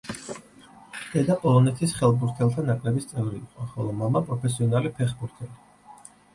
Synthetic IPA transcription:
d̪̥ɛd̪apʼɔlˠɔnɛt̪ʰisχɛlˠbuɾt̪ʰɛlˠt̪ʰanakʼlɛbist̪sʼɛvɾiːqʼɔχɔlˠɔmamapʼɾɔpʰɛs̬iɔnalipʰɛχbuɾt̪ʰɛli

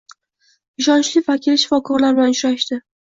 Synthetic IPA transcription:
ɪʃɒnt͡ʃlɪfakʲʰɪlʃɪfɒkʰɒɾlaɾblanʊʃɾaʃt̪ɪ

